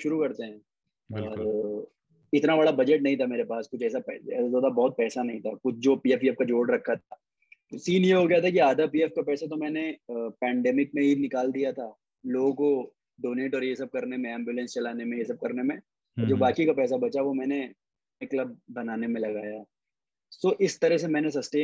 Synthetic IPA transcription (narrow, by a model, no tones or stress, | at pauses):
ʃʊɾukɐɾt̪eɦɛ̃ː | ɔːɾ | ɪt̪nabɐɽabɐd͡ʒɛʈnɐɦĩt̪ʰameːɾepaːskʊt͡ʃʰɛːsapɛɛ̰ːsad̪oːd̪abɔːt̪̚pɛːsanɐɦĩt̪ʰakʊt͡ʃʰd͡ʒoːpiːɛfiɛfkad͡ʒoːɖɾɐkʰːat̪ʰaː | t̪osiːnjeɦoɡɐjat̪ʰakiaːd̪apiːɛfkapɛːsat̪̬omɛ̃ːnepɛːɳɖɛːmɪk̚mẽɦinɪkaːld̪ijat̪ʰaː | loːɡõko | ɖoːneːʈɔːɾjes̬ɐb̚kɐɾnemẽɛ̃ːmbjʊːlɛ̃nst͡ʃɐlaːnemẽjesɐb̚kɐɾnemẽ | ɔːɾd͡ʒoːbaːkikapɛːs̬abɐt͡ʃaʋomɛ̃ːne | klɐb̚ːɐnaːnemẽlɐɡaːja | soːʔɪst̪ɐɾɛɦs̬emɛːnes̬ɐsʈeː